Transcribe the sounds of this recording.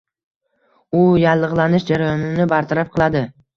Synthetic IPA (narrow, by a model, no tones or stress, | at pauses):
ʊjalˠːɨʁlˠanɪʃd͡ʒaɾajɒnɪnɪbaɾt̪ʰaɾap̚qʰɨlˠad̪ɪ